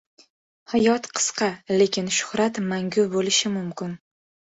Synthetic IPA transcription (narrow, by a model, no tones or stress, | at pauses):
hajɒt̪qʰɨ̥sqɑle̞kʲɪnʃʊ̥hɾat̪maŋɡʲʊbolɪʃɪmʊmkʲɪn